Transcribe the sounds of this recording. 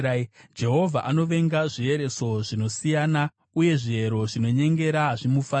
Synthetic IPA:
d͡ʒe̞ɦo̞vʱaʔano̞ʋe̞ŋɡaʐie̞ɾe̞so̞ʐino̞sijana | uje̞ʐie̞ɾo̞ʐino̞ɲe̞ŋɡe̞ɾaɦaʐimufa

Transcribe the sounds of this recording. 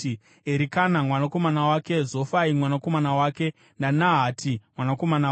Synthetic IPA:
eɾikanamwanako̞manawake̞zofaimwanako̞manawaːke̞ | nanaɦatʰimwanako̞mana

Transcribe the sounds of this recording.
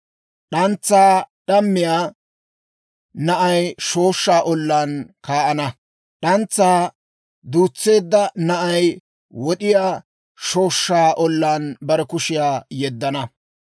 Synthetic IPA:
ɗɐnt͡sːaːɗɐmːɪjaː | nɐʔɐjʃo̞ːʃːaːʔɔlːaːnkaːʔɐnɐ | ɗɐnt͡sːaː | d̪uːt͡sːe̞ːd̪ːɐnɐʔɐj | wɔɗɪjaː | ʃo̞ːʃːaːʔɔlːaːnbɐɾɛkʊʃɪjaːjɛd̪ːɐnɐ

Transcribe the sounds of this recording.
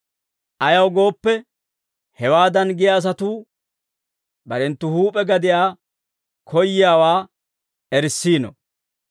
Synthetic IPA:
ʔɐjɐwɡo̞ːpːɛ | hɛwaːd̪ɐnɡɪjaːs̬ɐt̪uː | bɐɾɛnt̪ːʊhuːpʼɛɡɐd̪ɪjaː | kʰɔjːɪjaːwaː | ɛɾsːiːnɔ̰

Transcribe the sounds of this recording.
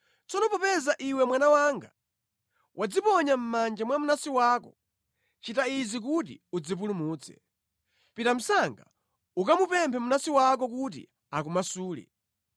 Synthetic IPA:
t͡sɔnɔpɔpɛzaʔiwɛmwanawaŋɡa | wʔad͡zipɔɲam̩mand͡ʒamwamunasiwaːkɔ̰ | t͡ʃitaizik̬ut̬ḭud͡zip̬ulumuːt͡sʰɛ̥̰ | pitam̩saŋɡa | ukamupɛmpʰɛmunasiwak̬ɔk̬ut̬ḭ | ak̬umasuːlḭ

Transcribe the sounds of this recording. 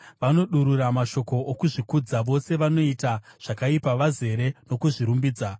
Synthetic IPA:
ʋano̞ɗuɾuramaʃo̞ko̞ʔːkuʐikud͡zaʋo̞se̞ʋano̞itaʐ̥akaipaʋaze̞ɾeno̞kuʐiɾumbiːd͡za

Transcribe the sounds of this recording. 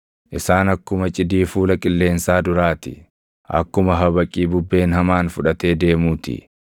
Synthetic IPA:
ʔɪsaːnɐkːʊmɐt͡ʃʼɪd̪iːfuːlɐkʼɪlːe̞ːnsaːd̪ʊɾaːt̪ɪ̰ | ʔɐ̰kːʊmɐɦɐbɐkʼːiːbʊbːe̞ːnɦɐmaːnfʊᶑɐt̪e̞ːd̪e̞ːmuːt̪ɪ̰

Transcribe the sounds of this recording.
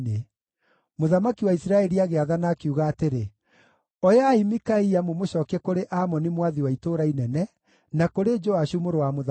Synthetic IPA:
ne | moðamakiwaisɾaɛɾiaɣeaðanaːkeuɣaːteɾe | ɔjaːimikaiamomoɕɔːkɛkoɾeʔamɔnimwaðiwaitoɾainɛnɛ | nakoɾed͡ʒɔaʃumoɾowamoð

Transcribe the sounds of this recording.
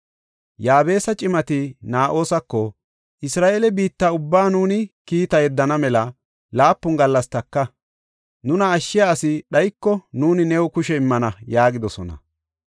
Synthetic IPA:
jaːbe̞ːsɐt͡ʃʼɪmɐt̪ɪnaːʔo̞ːsɐkːɔ | ʔɪsɾaːʔeːlɛbiːt̪ːaːʊbːaːnuːnɪkiːt̪ɐjɛd̪ːɐnɐmɛlɐ | laːpːʊŋɡɐlːɐst̪ɐkːɐ | nʊnɐːʃːɪjaːsɪɗɐjkːɔnuːnɪnɛwʊkʊʃɛɪmːɐnɐjaːɡɪd̪ɔsɔnɐ̰

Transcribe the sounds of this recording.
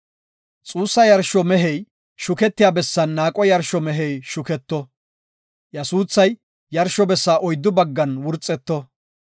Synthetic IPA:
t͡sʼuːsːɐjɐɾʃːɔmɛɦɛj | ʃʊkɛt̪ːɪjaːbɛsːɐnːaːkʼɔjɐɾʃɔmɛɦɛjʃʊkɛt̪ːɔ | jɐsuːsːɐj | jɐɾʃɔbɛsːaːʔɔjd̪ːʊbɐɡːɐnwʊɾt͡sʼːɛt̪ːɔ

